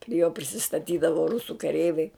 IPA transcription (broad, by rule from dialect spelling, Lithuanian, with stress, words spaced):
pʲrʲɪ joː pʲrʲɪsʲɪstɐˈtʲiːdɐʋoː ˈrʊsʊ kɐˈrʲɛɪʋʲɛɪ